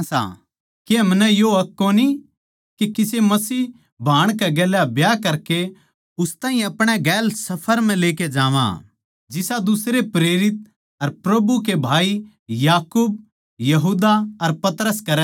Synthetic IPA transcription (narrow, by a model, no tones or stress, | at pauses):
sa̰ː | keɦɐmnɛ̃joɐkːoni | kikɪsemɐsiː | bʱaːɽ̃kɛɡɛːlabjakɐɾke | ʊst̪ãːɦĩɐpɽ̃ɛɡɛːlsɐpʰəɾm̤ɛ̃leːked͡ʒaːʋã̰ | d͡ʒɪsad̪ʊsɾepɾeːɾɪt̪̚ | ɐɾpɾɐbukebʱaːi | jaːkuːb̚ | jɐɦuːd̪aɐɾpɐt̪ɾəskɐɾ